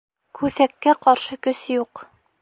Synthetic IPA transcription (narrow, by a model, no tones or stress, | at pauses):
kʰʉθækːæqɑɾʃɤkɵ̆sjuq